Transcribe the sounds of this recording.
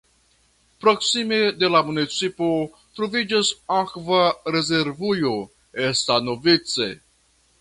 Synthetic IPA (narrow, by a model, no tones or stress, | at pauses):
pɾoksimed̪elamunit͡sipo | t̪ɾovid͡ʒesaxvaɾezeɾvujo | esanovit̪t͡sḛ